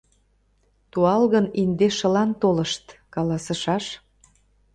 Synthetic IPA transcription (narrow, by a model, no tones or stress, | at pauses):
t̪uɑlɣənind̪eʃə̆lɑnt̪olə̆ʃt̪kɑlɑsə̆ʃɑʃ